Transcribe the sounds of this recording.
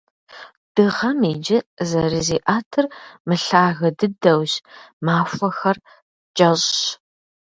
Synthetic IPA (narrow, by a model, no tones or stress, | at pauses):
d̥ɨʁɐmiːd͡ʒɪzɐɾɨziːʔaːtʰɨrmɨɬaːɣɐdɨdɐwɕmaːfʷɐxɐr | t͡ʃʼɐʑɕ